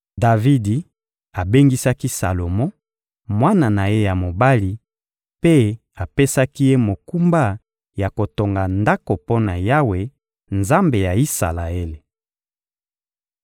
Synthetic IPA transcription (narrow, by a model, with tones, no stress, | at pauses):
da˨vi˦di˨ | a˨be˦ŋɡi˦sa˦ki˦sa̰˨lo˨mɔ˦ | mwa˦na˨na˨je˦ja˨mo˨ba˦li˨ | pe˦ | a˨pe˦sa˦ki˦je˦mo˨ku˦mba˦ | ja˨ko˨to˨ŋɡa˨nda˦ko˨po˦na˨ja˦we˨ | nza˦mbe˨ja˨i˦sa̰˨la˨e˦le˨